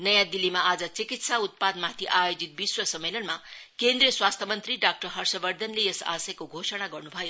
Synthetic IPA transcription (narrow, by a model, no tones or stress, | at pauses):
nʌjãd̪ilːimaad͡zʌt͡sikit̪saut̪̚pad̪mat̪ʰiʔajod͡zit̪̚biswʌsʌmːelʌnmakend̪rijʌswast̪ʰʌmʌnt̪riɖak̚ʈʌrɦʌrsʌbʌrd̪ʱʌnlejesa̰sʌjkoɡʱosʌñaɡʌrnubʱʌjo